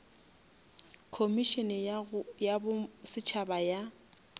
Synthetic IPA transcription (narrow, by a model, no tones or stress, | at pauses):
kʰomiʃɛnɛjabʊsɪt͡ʃʰabaja